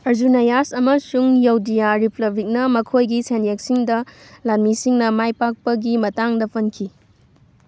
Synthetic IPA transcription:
ɐɾzunajasɐmɐsuŋjawdijaɾiplɐbɾik̚nɐmɐkʰojɡisenjek̚siŋdɐ | lanmisiŋnɐmajpak̚pɐɡimɐtaŋdɐpʰɐnkʰi

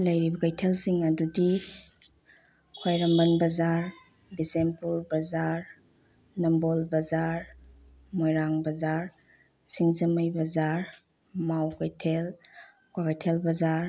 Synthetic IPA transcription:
ləjɾibɐkajtʰelsiŋɐdudi | kʰwajɾɐmbɐnbɐzaɾ | bisempuɾbɐzaɾ | nɐmbolbɐzaɾ | mojɾaŋbɐzaɾ | siŋzɐmajbɐzaɾ | mawkajtʰel | kwakajtʰelbɐzaɾ

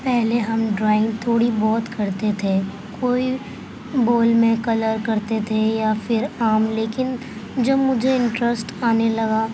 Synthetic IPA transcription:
pɛɦleɦɐmɖɾaːɪ̃ŋɡ̚t̪ʰoːɽibɔːt̪kɐɾt̪et̪ʰe | koːi | boːlmẽkɐləɾkɐɾt̪et̪ʰejafɪɾaːmleːkɪn | d͡ʒɐbmʊd͡ʒʱeɪ̃ɳʈɾəsʈaːnelɐɡaː

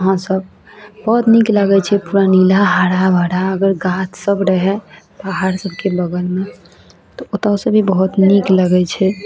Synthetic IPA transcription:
əɦãsəb | bəɦut̪nikləɡɛt͡ʃʰɛpuɾanilaɦaɽabʱaɽaəɡəɾɡat̪ʰsəbɾəɦɛ | baɦaɾsəbʱkebəɡəlme | t̪ɔot̪aosəbʱibəɦut̪nikləɡɛt͡ʃʰɛ

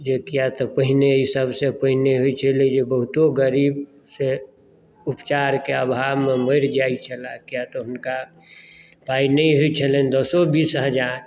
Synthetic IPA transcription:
d͡ʒekijat̪ɔpəɦneisəbsepəɦineɦoit͡ʃʰəled͡ʒebəɦʊt̪oɡəɾiːb | se | ʊpt͡ʃaːɾkeəbʱaːmeməɪɾd͡ʒait͡ʃʰəlakijat̪ɔɦʊnka | paːinəĩɦoit͡ʃʰəlend̪ɔsobiːsɦəd͡ʒaɾ

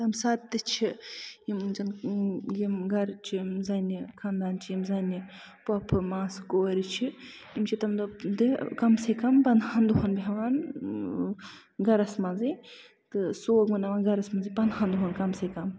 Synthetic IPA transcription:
t̪ɐmsat̪t̪ːɨt͡ʃʰijimd͡ʒɐnjimɡɐɾt͡ʃʰimzɐnikʰand̪aːnt͡ʃʰijimzɐni | pɐpʰɨmãːskoːɾit͡ʃʰi | jimt͡ʃʰit̪ɐmd̪od̪ɨkɐmsekɐmpɐnd̪ɦand̪uɦonbʱeʋaːn | ɡɐɾɐsmɐnzi | t̪ɨsoːɡmɐnɐʋaːnɡɐɾɐsmɐnzɨpɐnd̪haːnd̪uɦonkɐmsekɐm

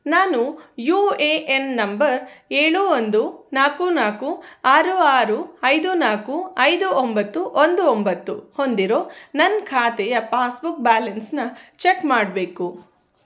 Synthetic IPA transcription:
naːnujuːeʔenːɐmbɐɾeːɭuond̪unaːkunaːkuaːɾuaːɾuɐjd̪unaːkuɐjd̪uʔombɐt̪ːuʔond̪uombɐt̪ːuho̞nd̪iɾo̞ːnɐnːkʰaːt̪ɛjɐpaːsbuk̚baːlɐnsnɐt͡ʃekmaːɽbe̞ːku

